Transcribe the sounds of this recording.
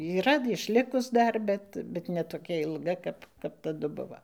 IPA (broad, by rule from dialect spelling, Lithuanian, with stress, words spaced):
iːˈrɐ ɪʃʲˈlʲɪkʊs ˈdɐr ˈbʲɛt bʲɛt nʲɛ toːˈkʲɛ ɪlˠˈɡɐ kɐp kɐp tɐˈdʊ ˈbʊʋoː